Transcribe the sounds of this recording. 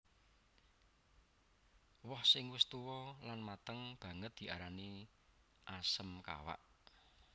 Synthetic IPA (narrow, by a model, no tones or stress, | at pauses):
wɔhsɪŋwɪst̪uwɔlanmat̪əŋb̥ä̤ŋət̪̚d̪̥i̤aɾani | ʔasəmka̰wa̰ʔ